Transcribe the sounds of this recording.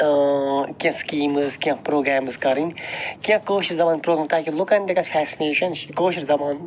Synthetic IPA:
kãskiːmɨzkʲjãpɾoːɡɾaːmzkɐɾinʲkiãkoːʃiɾzɐmaːnpɾoːɡɾaːmt̪aːkilʊkɐnd̪ɐkɐsfʰɛːsineːʃɐnʃkoːʃiɾzɐmaːn

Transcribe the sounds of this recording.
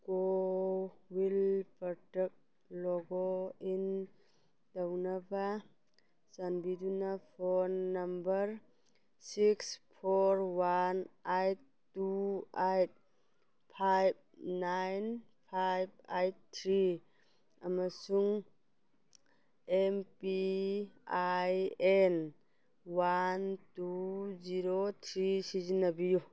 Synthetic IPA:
ko | wilpɔɾtɛk̚ | lɔɡoin | d̥awnaba | sanbidunapʰɔnːambəɾ | sikspʰoɾwanajt̚ | tːuajt̚ | pʰajb̚najn | pʰajb̚ajtt̪ʰɾi | amasuŋ | empi | ajen | wantuziɾot̪ʰɾisizinːabiju

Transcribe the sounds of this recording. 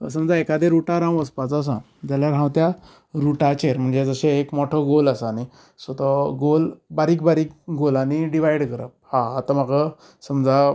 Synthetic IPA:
səmd͡zaekad̪eɾuʈaɾãw̃əspat͡sːs̬ã̰ | d͡ʑaljaɾɦãwt̪ja | ɾuʈat͡ɕeɾm̤əɳd͡zed͡zəɕeːkmɔʈʰəɡolasani | sət̪əɡolbaɾiːkbaɾiːk̚ɡolaniɖiʋajɽkəɾə̰p̚hãːt̪amaɡə | səmd͡za

